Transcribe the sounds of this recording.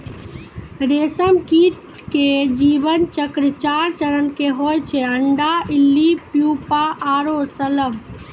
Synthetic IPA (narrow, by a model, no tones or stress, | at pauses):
ɾesəmkiʈ | ked͡ʒibənt͡ʃəkɾət͡ʃaɾt͡ʃəɾənkeɦojt͡ʃʰɛəɳɖailːipjupaʔaːɾosələm